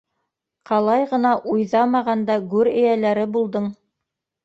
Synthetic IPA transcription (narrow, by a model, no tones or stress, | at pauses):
qɑlˠɑjʁɤ̆nɑʔujðɑmɑʁɑnd̪ɑɡʉɾɘ̆jælæɾɘbulˠd̪ɤɴ